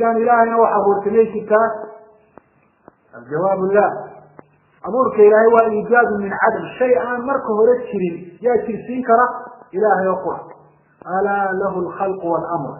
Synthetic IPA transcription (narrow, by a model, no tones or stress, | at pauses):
ɪðaːnɪlaːhɛjnɐwɑħɑhuːrsɐmɛjt͡ʃɪrt̪ʰaː | ʔɐld͡ʒɐwaːbʊlːaː | ʔɐβuːrkʰɐɪlaːhɛjwɑːʔiːd͡ʒaːd̪ʊnmɪnʕad̪ɐmʃɛjaːnmɐrkʰɐɦɔɾɛt͡ʃʰɪɾɪnjaːt͡ʃɪrsiːŋkʰɐɾɐʔɪlaːhɛjɔːqʊɾɑ̰ħ | ʔɐlaːlɐɦʊlxɑlqʊwɐlʔɐmr